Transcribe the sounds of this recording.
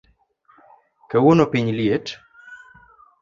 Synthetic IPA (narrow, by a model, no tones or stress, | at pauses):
kewonopiɲlijet